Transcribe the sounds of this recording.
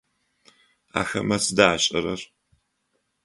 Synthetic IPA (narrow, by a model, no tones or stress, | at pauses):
a̰ːxɐ̰mɐsɨdaːɕʼɐɾɐr